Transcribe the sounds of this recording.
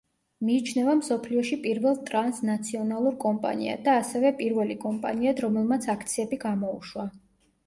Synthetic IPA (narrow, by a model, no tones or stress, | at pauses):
miːt͡ʃʰnɛvamsɔpʰliɔʃipʼiɾvɛlˠt̪ʼɾansnat̪sʰiɔnalˠuɾkʼɔmpʼa̰nḭa̰d̪aːsɛvɛpʼiɾvɛlikʼɔmpʼa̰niad̪ɾɔmɛlˠmat̪sʰakʰt̪sʰiɛbiɡamɔuʃwa